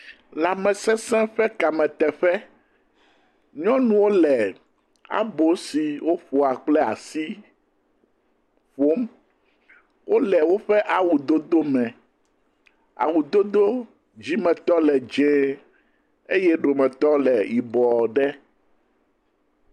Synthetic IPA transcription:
la˨mɛ̃˨sɛ̃˦sɛ̃˦ɸɛ˦ka˨mɛ̃˨t̪ɛ˨ɸɛ˦ | ɲɔ̃˦nũ˨wo˦lɛ˨ | a̰˦bo˨si˨wo˦ɸo˨a˨k͡plɛ˦a̰˨si˦ | ɸo˦m | wo˦lɛ˨wo˦ɸɛ˦ʔa˨wu˨d̪o˦d̪o˦mɛ̃˨ | a̰˨wu˨d̪o˦d̪o˦ | d͡ʑi˦mɛ̃˨t̪ɔ˦lɛ˨d͡ʒɛ̃˦ | e˦jɛ˦ɖo˨mɛ̃˨t̪ɔ˦lɛ˨ji˨bɔ˨ɖɛ˦

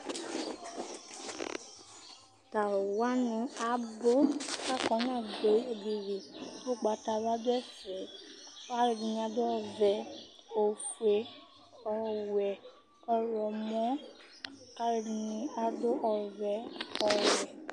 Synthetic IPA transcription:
ta˨wa˨˦nũ˧˦a˨˦bo˦ka˦kɔ̃˧˦nãː˦˨ɡ͡be˨˦e˦di˧ɾi˨to˦˨ɡ͡ba˧˦ta˧ba˦dɛ˦fɛ˨˦ka˦ɾe˧di˧nĩ˧a˧do˦ɔ˧˨vɛ˨˦ | o˨fe˧˦ | ɔ˧wɛ˨ | ɔ˧ɾɔ˨mɔ̃˦ | ka˦ɾe˧di˧nĩ˧a˧do˦ʔɔ˧vɛ˧˦ɔ˧wɛ˨

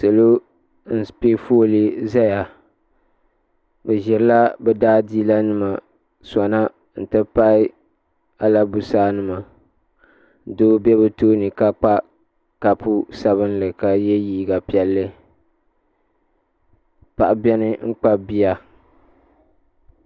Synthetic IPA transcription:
sɨ˨lo˦ | n̩˦pe˦fo˦li˦za˦ja˨ | bɛ˨ʒɛ˨ɾɨ˦la˦bɛ˨daː˦diː˦la˦nɨ˦ma˨ | sa˨na˦ | n̩˨tɨ˦pa˦ɪ˦ | a˨la˦bu˨saː˦nɨ˦ma˨ | doː˦bɛ˦bɨ˨toː˦nɨ˨ka˦k͡pa˦ | ka˨pu˦sa˨βɨ˦n˦lɨ˨ka˨jɛ˦jiː˦ɡa˨pi˨ɛ˨lːɨ˦ | pa˨ʔa˨bɛ˦nɨ˦ŋ͡m̩˦k͡pa˦bi˦a˦

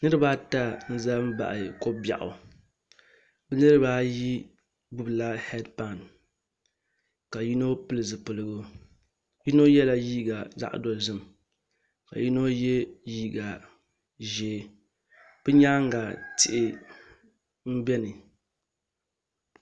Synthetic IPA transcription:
nɨ˦ɾɨ˦baː˦ta˦n̩˦za˦m̩˦ba̰˨ʔa˨ko˦ba̰˨ʔʊ̰˨ | bɨ˦nɨ˦ɾɨ˦baː˦ji˦ | bʊ˦bla˦hɛ˦dpa˦˨n | ka˨ji˦no˦pɨ˦lɨ˨zɨ˨pɨ˨lɨ˦ɡʊ˦ | ji˦no˦jɛ˦la˦jiː˦ɡa˨za̰˦ʔdo˨lzɨ˦m | ka̰˨ji˦no˦jɛ˦jiː˦ɡa˨ | ʒeː˨˦˨ | b̥ɨ˦ɲa˦ŋ˦ɡa˨tɪ˨ʔɪ˨ | m̩˦bɛ˦nɨ˨

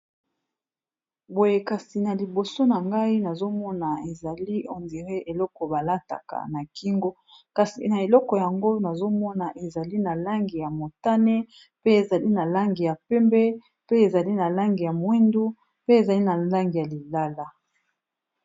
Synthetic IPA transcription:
bo˨je˨ka˨si˨na˨li˨bo˨so˦na˨ŋɡa˦i˦na˨zo˦mɔ˦na˨e˨za˨li˦o˨ndi˨ʁe˦ʔe˨lɔ˦kɔ˨ba˨la˦ta̰˨ka̰˨na˨ki˦ŋɡo˦ | ka˨si˨na˨e˨lɔ˦kɔ˨ja˨ŋɡo˦na˨zo˦mɔ˦na˨ʔe˨za˨li˦na˨la˦ŋɡi˨ja˨mo˨ta˦nɛ˦ | pe˦e˨za˨li˦na˨la˦ŋɡi˨ja˨pɛ˦mbɛ˦ | pe˦e˨za˨li˦na˨la˦ŋɡi˨ja˨mwɛ˦ndu˦ | pe˦e˨za˨li˦na˨la˦ŋɡi˨ja˨li˨la˦la˦

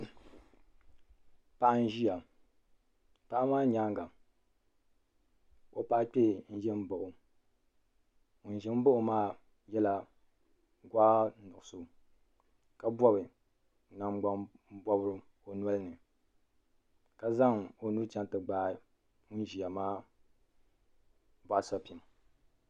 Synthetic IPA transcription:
pa˨ʔa˦n̩˦ʒi˦ja˨ | pa˦ʔa˦maː˦ɲaː˦ŋɡa˨ | o˦pa˦ʔk͡pʲɛ˦˨n̩˦ʒɛ˦m̩˦bo˨ʔʊ˨ | n̩˨ʒɛ˦m̩˦bo˦ʔʊ˨maː˦ | jɛ˦la˦ | ɡwaː˦nʊ˨ʊ˨so˨ | ka˦bɔ˦βɨ˨ | na˨m˦ɡ͡ba˦m̩˦bɔ˦bɾɨ˦ | o˨n˦a˦lnɨ˨ | ka˨za˦ŋo˨nu˦t͡ʃa˦n˦tɨ˨ɡ͡baː˦ | mu˦n˦ʒi˨a˨maː˦ | ba˦˨a˨sa˦pi˨m˨

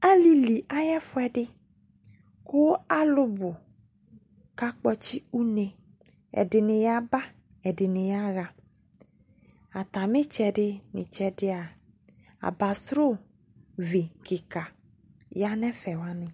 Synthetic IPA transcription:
a˦li˦li˨ʔa˦jɛ˦fʊ˦ɛ˦ɖɪ˦ | kʊ˦a˦lʊ˦bʊ˨ | ka˦k͡pɔ˦t͡ʃi˦u˦nẽ˨ | ɛ̰˨dɪ˨nɪ̃˨ja˦ba˦ | ɛ˨ɖɪ˨nɪ̃˨ja˦ɣa˨ | a˨t̪a˨mɪ̃˦t͡ʃɛ˨ɖɪ˦nɪ̰̃˨t͡ʃɛ˦dɪ˦a˨ | a̰˨ba˨sɾʊ˦˨ | vi˨ki˨ka˨ | ja˦nɛ̃˦fɛ˨wa˦nɪ̃˨

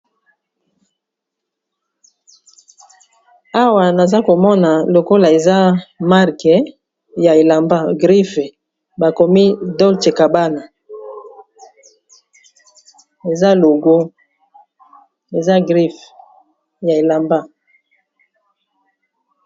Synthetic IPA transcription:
a˦wa˨na˨za˦ko˨mɔ˦na˨lo˨ko˦la˨e˨za˦ma˦ʁkɛ˨ | ja˨e˨la˨mba˦ɡʁi˦f | ba˨ko˨mi˦dɔ˦lte˨ka˨ba˦na˨ | e˨za˦lo˨ɡo˦ | e˨za˦ɡʁi˦f | ja˨e˨la˨mba˦

